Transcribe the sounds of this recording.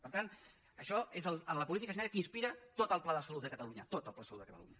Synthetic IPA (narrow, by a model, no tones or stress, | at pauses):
pəɾt̪an | əʃɔezəlˠənləpulit̪ikəs̬nɛɾəkinspiɾət̪ot̪əlˠplaðəsəlut̪̚əkət̪əluɲət̪ot̪əlˠplasəlud̪əkət̪ə̰lṵɲə